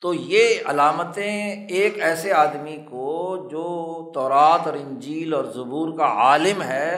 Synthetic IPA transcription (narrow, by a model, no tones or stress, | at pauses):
t̪oːjeɐ̰laːmət̪ẽeːkɛːseaːd̪mikod͡ʒoːt̪ɔːɾaːt̪ɔːɾɪ̃ɲd͡ʒiːlɔːɾzʊbuːɾkaaːlɪmɦɛː